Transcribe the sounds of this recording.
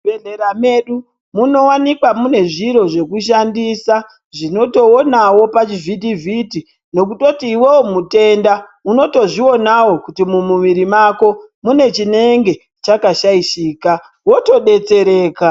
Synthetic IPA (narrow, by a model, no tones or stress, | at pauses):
beɮe̞ɾame̞ɗu | muno̞wanikwamune̞ʐiɾo̞ʐe̞kuʃ̬andisa | ʐino̞to̞onawo̞pat͡ʃividivʱiti | no̞k̬uto̞tiːwe̞womute̞nda | uno̞to̞ʐio̞nawo̞kutimumuʋiɾimako̞mune̞t͡ʃine̞ŋɡe̞ | t͡ʃakaʃaiʃiːka | wo̞to̞ɗe̞t͡se̞ɾeːka